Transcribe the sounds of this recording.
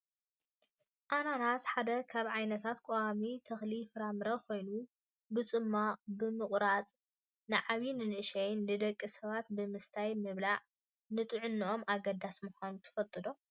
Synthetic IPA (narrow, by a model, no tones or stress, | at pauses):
ʔananasħad̪ɐkʰaβʕajnɐt̪ʰat̪kʼowamit̪ʰɐxlifɨɾamɨɾɐkʰo̞jnu | bɨt͡sʼɨmːabɨmɨχʼɾat͡sʼ | nɨʕaβinɨnɨʔɨʃɐjnːɨd̪ɐkʼːisɐβat̪bɨmɨst̪ʰajmɨβlaʕ | nɨt̪ʼɨʕʊnːʔo̞maɡɐd̪asmuxanut̪ʰɨ̥fɐlt̪ʼɨd̪o